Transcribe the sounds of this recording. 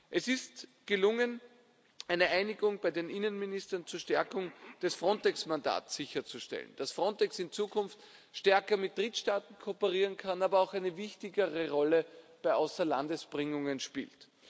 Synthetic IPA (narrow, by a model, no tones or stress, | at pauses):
ʔɛsɪstɡ̥əlʊŋən | ʔæɪnəʔæɪnɪɡʊŋbaɪdeːnʔɪnənmɪnɪstɐnt͡suːɐʃtɛɐkʊŋd̥ɛsfʁɔntɛksmanda̰ːtsɪçɐt͡suʃtɛ̰ln̩d̥asfʁɔntɛksɪnt͡suːkʰʊnft | ʃtɛɐkɐmɪt̚d̥ʁɪtʃtaːtn̩kʰoːpəʁiːʁənkʰanaːbɐɑʊxæɪnəvɪçtɪɡəʁəʁɔləb̥aɪʔaʊsɐla̰ndəsb̥ʁɪŋʊŋənʃpḭːlt